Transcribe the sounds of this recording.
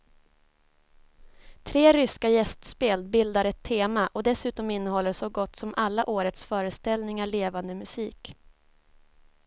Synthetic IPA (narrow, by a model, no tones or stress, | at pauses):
t̪ʰɾeːɾʏskajɛst̪speːlbɪld̪aɾɛt̪ʰːeːmaʔɔd̪ɛsʉ̟ːt̪ɔmɪnːəhɔlːəʂɔɡɔt̪ːsɔmʔalːaʔoːɾət̪sfœːɾəst̪ɛlnɪŋaɭeːvand̪əmɵsiːk